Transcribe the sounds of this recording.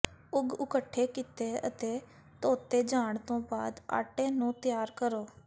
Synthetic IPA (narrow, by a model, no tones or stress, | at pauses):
ʊɡʊkəʈʰːeːkit̪eːə̰t̪eː | t̪oːt̪eːd͡ʒaːɳt̪õːba̰ːd̪a̰ːʈeːnũːt̪ɪjaːɾkəɾoː